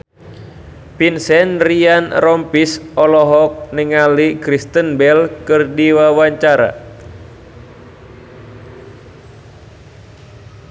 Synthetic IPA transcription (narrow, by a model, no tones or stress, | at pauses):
pinsɛnrianrɔmpisɔlɔɦɔk̚nəŋalikɾist̪ənbɛlkɨrdiwawaɲt͡ʃaɾa̰